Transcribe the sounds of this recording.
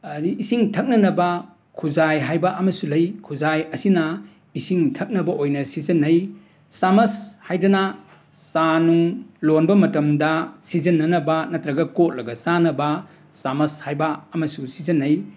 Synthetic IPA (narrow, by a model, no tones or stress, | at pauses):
ɐɾiːsiŋtʰɐk̚nɐnɐbɐ | kʰuzajɦajbɐʔɐmɐsulɐjkʰuzajɐsinɐ | isiŋtʰɐk̚nɐbɐʔojnɐsizɐnːɐj | samɐshajdɐnɐ | sanuŋlonbɐmɐtɐmdɐsizɐnːɐnɐbɐnɐtɾɐɡɐkot̚lɐɡɐsanɐbɐ | samɐshajbɐɐmɐsusizɐnːɐj